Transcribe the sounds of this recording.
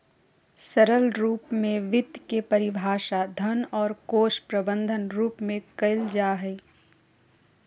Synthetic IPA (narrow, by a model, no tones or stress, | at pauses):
sɐɾəlɾuːpmẽʋɪd̪kepɐɾɪbʱaːʃad̪ʱɐnɔːɾkoːʃpɾɐbə̃nd̪ʱənɾuːpmẽkɐɪld͡ʒaːɦɛː